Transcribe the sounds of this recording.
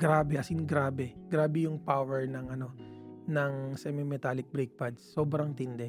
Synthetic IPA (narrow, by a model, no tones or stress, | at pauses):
ɡ̥ɾaːbɛʔɐsɪnɡɾaːbɛɡ̥ɾaːbɛjʊŋpawɛɹnɐŋʔɐno̞nɐŋsɛmɪmɛt̪aːlɪk̚bɾɛjk̚pɐd̪sːoːbɾɐŋt̪ɪnd̪ɛ